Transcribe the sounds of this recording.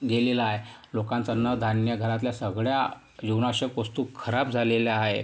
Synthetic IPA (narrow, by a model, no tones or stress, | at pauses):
ɡelelaːɦelokant͡sanəd̪ʱanjəɡʱəɾat̪̬ljasəɡɭja | jiwnaɕəkʋəst̪uːkʰəɾap̚d͡zʱaleljaaɦe